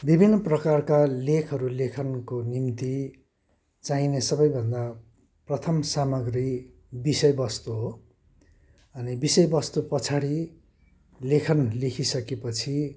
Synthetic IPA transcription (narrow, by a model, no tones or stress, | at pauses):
bibʱinːʌprʌkarkalekʰɦʌɾulekʰʌnkonimt̪i | t͡saĩnesʌbʌjbʱʌnd̪a | prʌt̪ʰʌmsamʌɡri | bisʌjbʌst̪uɦo | ʌnibisʌjbʌst̪upʌt͡sʰaɽi | lekʰʌnlekʰisʌkepʌt͡sʰi